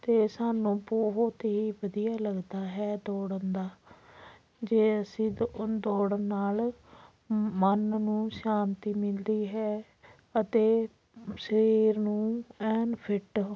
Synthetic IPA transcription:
t̪eːsaːnũːpuɦot̪ːiːʋəd̪ijaːləɡd̪aːɦɛːd̪oːɽənd̪aː | d͡ʒeːəsĩːd̪oːɽəːaːl | mənnũːʃaːnt̪iːmɪld̪iːɦɛː | ət̪eː | ʃəɾiːɾnũːɛːnpʰɪʈ

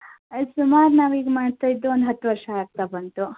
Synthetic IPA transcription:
sumaːɾnaːʋiːɡmaːɖt̪ajid̪ːuond̪ɦɐt̪ːʋɐɾʂɐaːɡ̚t̪abɐnt̪u

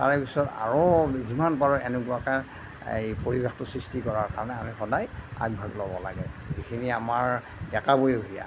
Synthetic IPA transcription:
ta̰ɹɛpisɔta̰ɹozimanbaɹɔɛnukuaka | ḛjpoɹibextʊsɹistikɔɹaɹkaɹɔnɛamixɔdaja̰ɡ̚bʱaɡlɔbɔlaɡɛzikʰiniamaɹ | dɛkabojeuɦija̰

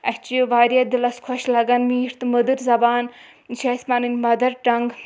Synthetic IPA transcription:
ɐht͡ʃʋaːɾjɐd̪ilɐskʰɔʃlɐɡɐnmiːɾt̪ɨməd̪ɨɾzɐbaːn | ʃɐsmɐnɨnʲmɐd̪ɐɾʈɐŋɡ

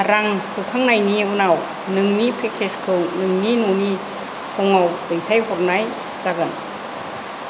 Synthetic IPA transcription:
ɾaŋkʰɯkʰaŋnajniunaw | nɯŋnipʰekʰeskʰɯwnɯŋninuni | pʰɔŋawdɯjtʰajɦɔɾ̚naj | zaɡɯn

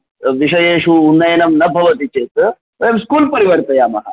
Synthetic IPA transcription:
ʋiɕəjeɕuːnːɐjənɐmnɐbʱɐʋət̪it͡ɕet̪ | ʋəjemskuːlpəɾiʋəɾt̪əjamɐɦa̰

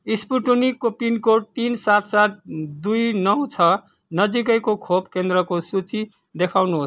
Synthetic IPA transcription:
ispuʈunikopinkoʈ̚t̪insat̪ʰsat̪̚d̪ujnʌw̃t͡sʰʌ | nʌd͡zik̬ʌjkokʰobkend̪ɾʌkosut͡si | d̪ekʰawnuɦos

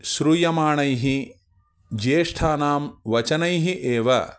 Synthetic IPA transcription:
ʃɾujɐmaːɳɐjɦi | d͡ʒeːʂʈʰaːnaːmʋɐt͡ʃɐnɐjɦiʔeːʋɐ̰

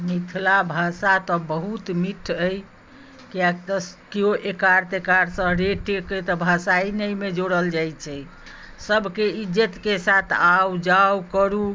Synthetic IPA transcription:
mit̪ʰlabʱasat̪ɔbəɦut̪miʈʰəj | kiakt̪ɔkeoʔekaɾt̪ekaɾsə̃ɾeʈeket̪ɔbʱasainəjmed͡ʒoɽəld͡ʒajt͡ʃʰɛ | səbʱkeid͡ʒət̪kesat̪ʰawd͡ʒawkəɾu

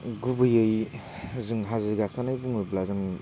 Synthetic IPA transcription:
ɡubɯjɯj | zɯŋɦaziɡakʰanajbuŋɯblazɯŋ

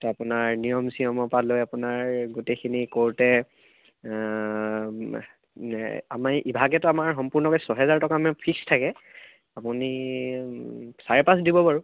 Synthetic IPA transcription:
tɛapʊnaɹnijɔmsijɔmɔpalojapʊnaɹɡutekʰinikoɹtɛ | ɛa̰maɹʔibʱaɡɛtʊamaɹxɔmpuɹnɔkɔjsɔɦɛzaɹtɔkamɛpʰikstʰakɛ | apuni | saɹɛpas̬dibɔbaɹu

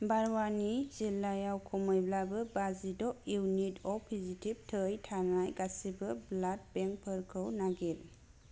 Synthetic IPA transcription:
baɾwanizilajawkʰɔmɔjblabɯbazidɔiwnitɔpʰizitʰib̚tʰəjtʰanajɡasibɯblat̚bɛŋk̚pʰɯɾkʰɯwnaɡil

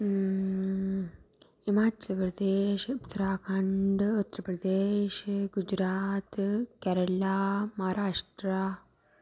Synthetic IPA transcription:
imaːt͡ʃɐpɾɐd̪eːʃupt̪ːɐɾaːkʰɐɳɖut̪ːɾɐpɾɐd̪eːʃɡud͡ʒɾaːt̪kɛɾɐlaːmɐɦaːɾaːʂʈɾa

